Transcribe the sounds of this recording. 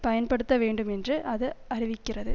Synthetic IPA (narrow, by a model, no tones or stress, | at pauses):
pɐjɐnpɐɽɯt̪ːɐʋeːɳɖɯmɛndrɯʔɐðɯɐrɪʋɪkʲːɪrɐðɯ